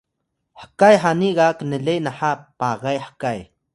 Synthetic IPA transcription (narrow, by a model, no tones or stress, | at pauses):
hakajħaniɣaknelenaħapaɣajħḁkaj̰